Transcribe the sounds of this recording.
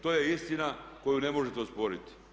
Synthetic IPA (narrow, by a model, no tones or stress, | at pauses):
t̪ojeist̪inako̞junemoʒet̪eospo̞ɾit̪i̥